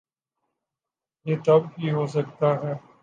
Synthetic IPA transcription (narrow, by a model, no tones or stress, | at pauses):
jeːt̪ɐb̚ɦiɦoːs̬ɐk̚t̪aɦɛː